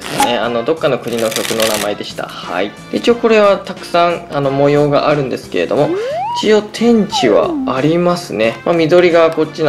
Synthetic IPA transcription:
sɨne̞ano̞d̪o̞kːano̞kɯ̟ɲ̟ino̞kʲo̞kɯ̟no̞namae̞d̪e̞ɕi̥t̪a̰ha̰id̪eit͡ɕio̞ko̞ɾe̞βat̪akɯ̟̥sãɴano̞mo̞jo̞ːɡaʔaɾɯ̟̃nd̪e̞sɨ̥ke̞ɾe̞d̪o̞mo̞it͡ɕio̞t̪ʰẽ̞ɲ̟t͡ɕiβa̰ːɾʲimasɨne̞mamʲid̪o̞ɾʲiɡako̞t͡ɕːin

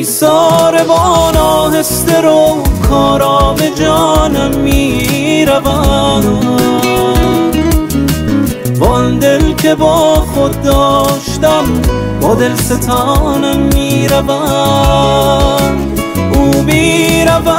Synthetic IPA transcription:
sɔːɾebɔnɔːhest̪eɾokʰɔːɾɔːbed͡ʒɔːnæmːiːɾævæ | bɔnd̪elkʰe̞bɒːxod̪̚d̪ɒːʃt̪æm | bɔːd̪elset̪ʰɔːnæmːiːɾævæ | ʔuːbiːɾævæ

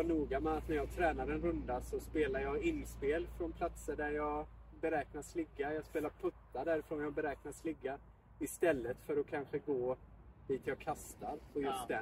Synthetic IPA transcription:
ɑnuːɡamɛat̪næɾjɑːɡ̚t̪ʰɾɛːnaɾɛnɾɵnd̪asɔspeːlajɑːɪnːspeːlfɾɔnpʰlat̪səɖæɾjɑːɡ | bɛɾɛːknaslɪɡːajɑːspeːlaɾpʰɵt̪ʰːaɖ̪æɾɪfɾɔnjɑbɛɾɛːknaslɪɡːa | ɪst̪ɛlːət̪fœɾɔkʰanɧəɡoː | d̪iːt̪ʰjɑːkʰast̪aɾpʰɔjɵst̪d̪ɛ

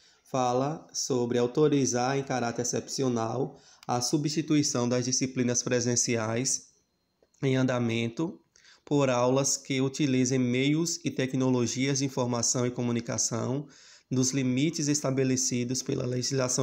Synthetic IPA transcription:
falɐsobɾɪawt̪oɾizaɾẽj̃kaɾat̪eɾsɛpsionaw | ɐsubiʃt̪it̪uisɐ̃w̃d̪ɐzd͡ʒisiplĩnɐspɾezẽsiajs | ẽj̃ɐ̃nd̪amẽnt̪ʊ | poɾawlɐskɪut̪ilizẽj̃mejʊzɪt̪ɛknoloʒiɐzd͡ʒɪĩfoɾmasɐ̃w̃ɪkõmũnika̰sɐ̰̃w̃ | d̪ʊzlimit͡ʃɪzest̪abelesid̪ʊspḛlɐ̰leʒizlasɐ̃

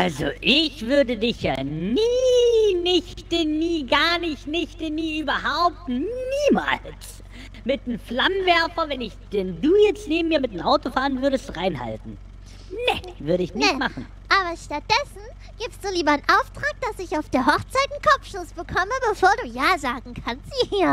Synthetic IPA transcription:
ʔalzo̰ʔɪçv̥ʏɐdədɪçja̰ːniːnɪçtɪnːiːɡaːɐnɪçtnɪçtɪnːiːʔyːbɐɦaʊp̚tniːma̰ːls | mɪt̚emflamənvɛɐfɐvɛnɪçd̥ɛnduːjɛt͡stneːbm̩miːɐmɪtːmʔaʊtofaːʁənvʏɐɾəstʁaɪnha̰ltn̩ | nɛvʏɐɾəɪçnɪçtmaχn̩ | ʔaːbɐʃtat̚d̥ɛsn̩ | ɡ̥iːpstd̥uːliːbɐanʔaʊftʁ̥aːk̚d̥asɪçaʊfd̥eːɐɦɔχt͡saɪt̚nkʰɔp͡fʃosb̥əkʰɔməbəfoːɐduːjaːzaːɡŋ̩kʰanstiːɐ

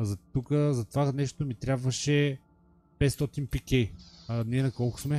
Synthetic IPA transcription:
zɐt̪ukəzɐt̪ovanɛʃt̪omit̪ɾʲjabvəʃɛ | pɛt̪st̪ɔt̪inpikɛjɐnɛnɐkɔlˠko̥smɛ

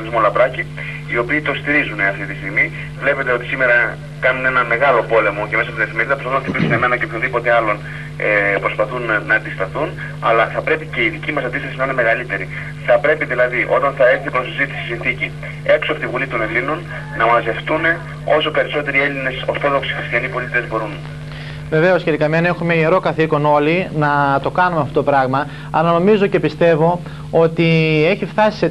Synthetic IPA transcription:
nizmolɐpɾɐci | io̞piːt̪o̞st̪iɾizune̞ɐft̪it̪ist̪iɣmi | vle̞pe̞t̪eo̞t̪i̥sime̞ɾɐ | kɐnune̞nɐme̞ɣɐlo̞po̞le̞mo̞ce̞me̞sɐst̪ðeθimeɾiðɐposfɐθunɐfθipiksuneme̞nɐceoçoðipo̞t̪e̞ɐlo̞n | epɾo̞spɐθunːɐːnd̪ist̪ɐθun | ɐlɐθɐpɾe̞pice̞iðicimɐsɐnd̪ist̪ɐsinɐineme̞ɣɐlit̪e̞ɾi | θɐpɾe̞piðilɐðiʔo̞̰t̪ɐnθɐe̞θipɾosizit̪i̥siisinθici | e̞ksoɐpot̪ivulit̪one̞linun | nɐmɐze̞ft̪une̞ | o̞so̞pe̞ɾiso̞t̪e̞ɾie̞line̞soɾθo̞ðo̞ksi̥xɾist̪içɐnipo̞lit̪iezbo̞ɾun | ve̞ve̞o̞sçet̪ikɐmene̞xumeieɾo̞kɐθiko̞no̞linɐt̪o̞kɐnumeɐft̪ot̪opɾɐɣmɐ | ɐ̰lɐno̞mizo̞ce̞pist̪e̞vo̞ | o̞t̪ie̞çift̪ɐsi̥se

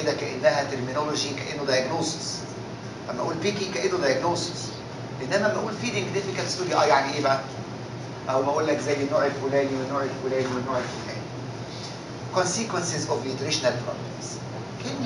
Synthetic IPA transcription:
ed̪ækæʔenːæɦæt̪eɾmɪnoloʒikæʔenːod̪ɑjæɡnoːsɪ̥s | ʔæmːʔæ̰ʔuːlpiːkiŋkæʔenːod̪ɑjæɡnoːsɪ̥s | leʔenːʔænæmæʔuːlfiːneɡnefɪkælt̪st̪oːɾiʔɑjaʕniʔeːbæʕæ | ʔæwmæʔuːlːækzæːjːenːoːʕelfuːlæːniwenːoːʕelfuːlæːniwenːoːʕelfulæ̰ːni | konsikwensezʔovent̪eɾeʃonælpɾo̰blḛms | ken

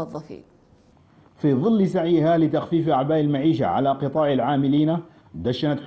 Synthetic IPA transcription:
ðˤːɑfḭ | fiðˤɨlːsaʕjhalɪt̪axfiːfʔaʕbaːʔɪlmaʕiːʃa̰ʕa̰laqɨt̪ˤɑːʕalʕaːmɪliːna | d̪aʃanat̪ħ

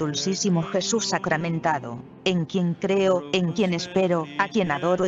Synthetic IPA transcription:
ulsisimoxesusːakɾamẽnt̪aðo̰ | eŋkjeŋkɾeoeŋkjenespeɾoakje̞naðoɾo

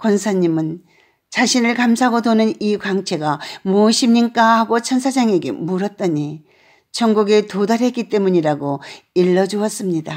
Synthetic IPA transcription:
kwʌnsʰaɲimɯn | t͡ɕaɕʰinɯɭkamsʰaɦɡodonɯnikwaŋt͡ɕʰe̞ɡamoɕʰimɲink͈ahaɡot͡ɕʰʌnsʰad͡ʑaŋe̞ɡe̞̰muɾʌt̚t͈ʌɲi | t͡ɕʰʌŋɡuɡetodaɾɦe̞t̚k͈it͈e̞muɲiɾaɡoiɭːʌd͡ʑuʌs͈ɯmɲida

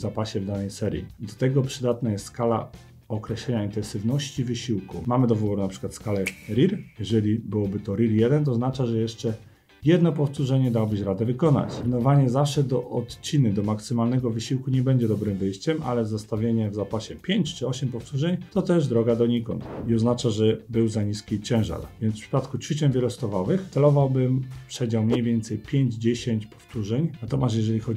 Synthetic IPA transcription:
zapaɕɛvd̪anɛjsɛɾʲjḭd̪ɔt̪ɛɡɔpʂɘd̪at̪najɛst̪skala̰ | ɔkɾɛɕlɛɲaint̪ɛnsɘvnɔɕt͡ɕivɘɕiwkumamɘd̪ɔvɔɾunapʂɘ̥kwat̪skalɛɾʲiɾjɛʐɛlʲibɘwɔbɘt̪ɔɾʲiɾjɛd̪ɛnt̪̬ɔznat͡ʂaʐɛjɛʂt͡ʂɛ | jɛd̪nɔpɔft̪uʐɛɲɛd̪awɔbɘɕɾad̪ɛvɘkɔna̰t͡ɕnɔvaɲɛzafʂɛd̪ɔʔɔt̪t͡ɕinɘd̪ɔmaksɘmalnɛɡɔvɘɕiwkuɲɛbɛɲd͡ʑɛd̪ɔbɾɘmvɘjɕt͡ɕɛma̰lɛzɔst̪avʲjeɲɛvzapaɕɛpʲjeɲt͡ɕt͡ʂɘɔɕɛmpɔft̪uʐɛɲt̪ɔt̪ɛʐd̪ɾɔɡad̪ɔɲikɔ̰nt̪iɔznat͡ʂaʐɛbɘwzaɲiskʲit͡ɕɛ̃w̃ʐa̰ɾvʲjɛnt̪sfʂɘ̥pat̪kutfʲit͡ɕɛnvʲjɛlɔst̪ɔvavɘxɛlɔvawbɘmpʂɛd͡ʑawmɲejvʲjɛnt̪sɛjpʲjeɲd͡ʑd͡ʑeɕeɲt͡ɕpɔ̥ft̪uʐɛɲnat̪ɔmʲast̪jɛʐɛlʲixɔd͡ʑ

